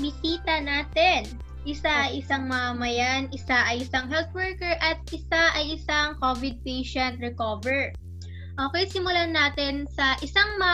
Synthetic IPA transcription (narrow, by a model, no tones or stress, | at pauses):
bɪsiːt̪ɐnaːt̪ɪn | ʔɪsaʔɐjʔɪsaŋmɐamɐjanɪsaʔɐjɪsaŋɦɛlt̪̚wɛɹkɛɹʔɐt̪̚ʔɪsaʔɐjʔɪsaŋkoːvɪd̪̚pɛjʃɛnt̪̚ɹɛkoːvɛɹ | ʔoːkɛjsɪmʊlanaːt̪ɛnsɐʔɪsaŋmɐ